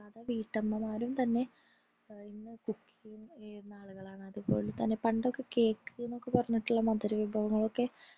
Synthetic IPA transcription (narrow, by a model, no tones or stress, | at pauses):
ɐðɐʋiːʈːɐmːɐmaːɾumt̪ɐnːe̞ | inːɨkukːijumeɾunːaːɭuɣɐɭaːɳɨɐðɨpo̞ːlut̪ɐnːepɐɳɖokːe̞ke̞ːkːɨɣenːo̞kːe̞pɐrɐɲːiʈːuɭːɐmɐd̪ɐɾuʋibʱɐʋɐŋːɐɭo̞kːe̞